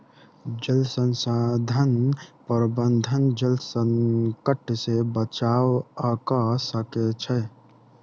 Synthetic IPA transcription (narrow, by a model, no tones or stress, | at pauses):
d͡ʒəlsənsad̪ʱənpəɾbənd̪ʱənd͡ʒəlsəŋkəʈsebət͡ʃawəkəsəkɛt͡ʃʰɛ